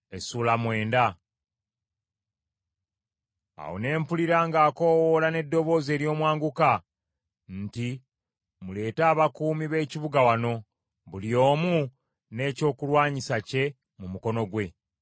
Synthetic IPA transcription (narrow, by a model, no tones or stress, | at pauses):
esuːlamwe̞ːnda | a̰wo̰ne̞ːmpuliɾaːŋɡaːko̞wolane̞dːo̞βo̞ːze̞ːɾjo̞ːmwaːŋɡuka | n̩ti | mule̞ːtaːβakuːmiβe̞ːciβuɡawano̞ | βulio̞ːmu | ne̞ːco̞ːkulwaːɲisace̞ | mumuko̞no̞ɡwe̞